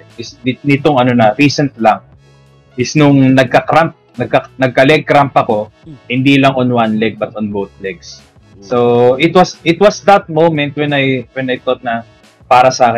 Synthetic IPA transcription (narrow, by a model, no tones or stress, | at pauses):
ɪsd̪ɪnɪt̪oŋɐnonɐɾiːsɛnt̪lɐŋ | ʔɪsnʊŋnɐɡ̚kɐkɾamp̚nɐɡ̚kɐnɐɡ̚kɐlɛɡ̚kɾampɐko̞ | hɪnd̪ilɐŋonwanlɛɡ̚bɐt̪ɔnbowθlɛɡsː | oʔɪt̪wɐsʔɪt̪wɐsd̪ɐt̪̚mowmɛnt̪̚wɛnɐjwɛnɐjt̪ot̪̚nɐ | paːɾɐsaːkɪ